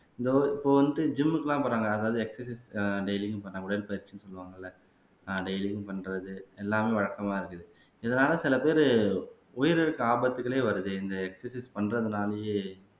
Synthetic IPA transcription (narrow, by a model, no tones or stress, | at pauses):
ɪnd̪ɐɪpːoːʋɐnd̪ɯd͡ʒɪmːɯkːɐlãːpɐːɾaːŋɡɐːðaːʋɐðɯɛksɛsisɖeɪlɪŋɡpɐãʊɽɐɪlpɐɪɾt͡ʃːɯnːɯsɔlːɯʋaːŋɡɐɪlːɐ | ɖeɪlɪ̃ŋɡpɐɳɾɐðɯɛlːaːmeːʋɐɻɐkːɐmaːɪɾɯkːɐðɯ | ɪðɐnaːlɐsɪlɐpeːɾ | ɔjɪɾɛɾɯkːɯaːbɐt̪ːɯkːɐɭeːʋɐɾɯðɯɪnd̪ɐɛksɐsispɐɳrɐðɯnaːlɐje